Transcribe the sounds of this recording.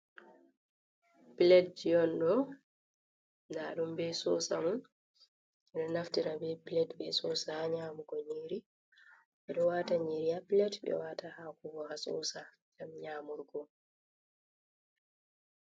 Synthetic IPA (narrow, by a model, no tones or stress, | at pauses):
pilɛtd͡ʒijɔnɗɔ | daːɗumbɛsɔsa̰mɔn | ɛɗɔnaftiɾabɛpilɛtbɛsɔsahaɲaːmuɡɔɲiɾi | ɓɛɗɔwataɲiɾiapilɛtɓɛ̰waːtahaːkuɡɔhasɔ̰sa | d͡ʒamɲaːmuɾɡɔ